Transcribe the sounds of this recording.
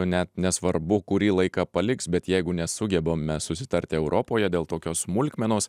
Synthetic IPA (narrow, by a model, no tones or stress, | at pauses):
nʲɛt̪nʲɛsʋɐɾbʊkʊɾʲiːlˠɐɪkɑpɐlʲɪksbʲɛt̪jɛɪɡʊnʲɛsʊɡʲɛboːmʲɛsʊsʲɪ̥t̪ɐɾʲt̪ʲɪɛʊɾʔoːpoːjɛd̪ʲeːlˠt̪oːkʲoːsmʊlʲkʲmʲɛnoːs